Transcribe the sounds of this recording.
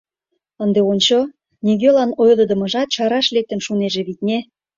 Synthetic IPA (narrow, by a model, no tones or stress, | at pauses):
ənd̪eont͡ɕo | niɣelɑnojlə̆d̪ə̆mɤ̆ʒɑt̪̚t͡ɕɑɾɑʃlek̚t̪ə̆mʃuneʒĕβit̪̚nʲe